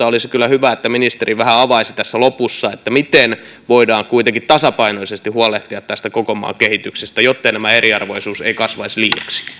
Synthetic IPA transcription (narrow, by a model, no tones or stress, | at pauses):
ɑolisekylːˑæhyʋæet̪ːæminist̪eriʋæhæɑʋɑisi̥t̪æsːælopusːɑet̪ːæmit̪en | ʋoidɑːŋkuit̪eŋkit̪t̪ɑsɑpɑinoisest̪ihuɑleht̪iɑt̪t̪æst̪ækokomɑ̰ːkehit̪yksest̪æjot̪ːeinæmæeriɑrʋoisuːseikɑsʋɑisliːɑ̰ksi̥